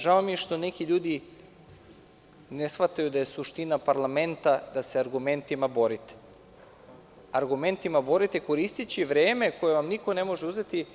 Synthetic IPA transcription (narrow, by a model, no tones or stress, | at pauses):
ʒaomije̞ʃt̪o̞ne̞kiʎuːd̪i | nesfʋat̪ajud̪aje̞suʃt̪inapaɾlˠame̞nt̪ad̪ase̞aɾɡume̞nt̪imabo̞ɾit̪e̥ | aɾɡume̞nt̪imabo̞ɾit̪eko̞ɾist̪it͡ɕiʋɾeːme̞ko̞jeʋamniko̞ne̞mo̞ʒeuze̞t̪i